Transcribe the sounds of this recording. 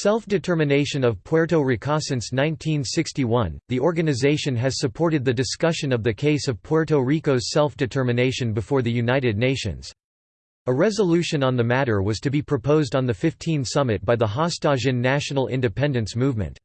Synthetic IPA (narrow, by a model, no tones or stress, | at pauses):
sɛlˠfd̥ɨtʰɜ˞mɨneɪʃɨ̃nʌv̥pʰɔɹɾoʊɹikʰɑsɨ̃nsnãɪ̃ntʰĩnsɪkstiwʌ̃nðiʔɔɹɡɨnɨzeɪʃɨ̃nɨz̥sɨpʰɔɹɾɨd̪̚ðɨdɨskʌʃɨ̃nʌvðɨkʰeɪsʌv̥pʰɔɹɾoʊɹikoʊz̥sɛlˠfd̥ɨtʰɜ˞mɨneɪʃɨ̃nbɨfɔɹðɨjʉnaɪɾɨdⁿneɪʃɨ̰̃nz̥ | əɹɛzəlʉʃɨ̃nə̃nðɨmæɾə˞wʌz̥tʰɨbipʰɹ̥ɨpʰoʊzdn̩ðɨfɪftʰĩnsʌmɨt̚b̥aɪðəɦɑstɑʒɨ̃nːæʃnl̩ˠɪ̰̃ndɨpʰɛ̃ndɨ̃nsmuvmɨ̰̃nt